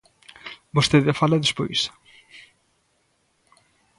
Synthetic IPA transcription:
bost̪eðɐfalɐðɪspo̰js

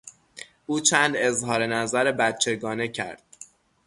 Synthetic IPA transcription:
ʔuːt͡ʃʰænd̪e̞zɦɒːɾe̞næzæɾebæt̪t͡ʃʰe̞ɡɒːne̞cʰæ̰ɾd̪̥̚

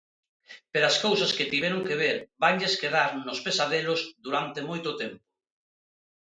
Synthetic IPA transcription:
peɾaskowsasket̪iβɛɾʊŋkeβ̞eɾbaŋʎeskeð̞aɾnospesaðelozðuɾant̪emojt̪ʊt̪ɛmpo̥

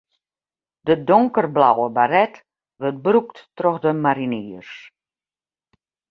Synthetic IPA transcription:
d̥ədoŋkərblawəbaɾɛt | ʋørt̚brukttroxdəmaɾiniːərs

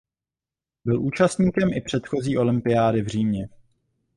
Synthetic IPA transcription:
bɪlʔuːt͡ʃast̪ɲiːkɛmʔɪpr̝̥ɛt̪xo̞ziːʔo̞lɪmpɪjaːdɪvr̝iːɲɛ

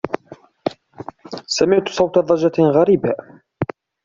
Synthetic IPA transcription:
samɪʕt̪sˤɑwt̪ɑðˤɑd͡ʒɑɣaɾiːba

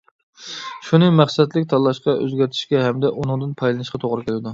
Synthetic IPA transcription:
ʃunɨmæχsɛt̪lɪkʲt̪ʰɑlːˠɑʃqɑø̰zɡʲæɾt̪ʰɪ̥ʃkʲɛɦɛmd̪ɛʔunɨŋd̪ɨnpʰɑjlˠɨnɨʃqʰɑt̪ʰoʁɾɨkʲʰelɪd̪u

